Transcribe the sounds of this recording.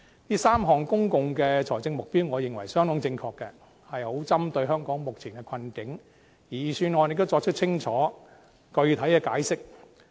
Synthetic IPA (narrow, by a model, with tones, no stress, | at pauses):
niː˦˥saː˥mɦɔː˨ŋkʊ˥ŋkʊ˨ŋkɛː˧t͡ʃʰɔː˨˩jt͡sɪ˧ŋmʊ˨k̚piː˥wŋɔː˨˧jɪ˨ŋwɐ˨˩jsœː˥ŋt̪ɔː˨˥ŋt͡sɪ˧ŋkʰɔː˧kːɛ˧ | hɐ˨jho˨˥wt͡sɐ˥mt̪ɵ˧ɥɦœː˥ŋkɔː˨˥ŋmʊ˨k̚t͡sʰiː˨˩nkɛ˧kʰɐ˧nkɪ˨˥ŋ | jiː˨˩syː˧nɔː˨˧jne˧kt̪wt͡sɔː˧k̚t͡ʃʰɵ˥t͡sʰɪ˥ŋt͡ʃʰɔː˨˥ | kɵ˧ɥt̪ʰɐ˨˥jkɛː˧kaː˨˥jsɪ˥k̚